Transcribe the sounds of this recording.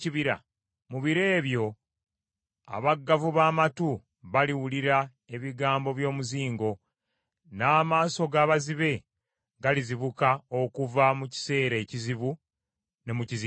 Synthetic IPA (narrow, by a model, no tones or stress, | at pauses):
ciβiɾa̰ | muβiɾe̞ːβjo̞ | a̰βaɡːavuβaːmatu | βaliwuliɾa | e̞βiɡaːmbo̞βjo̞ːmuziːŋɡo̞ | naːmaːso̞ɡaːβaziβe̞ | ɡaliziβukao̞kuvamuci̥se̞ːɾe̞ciziβu | ne̞muciz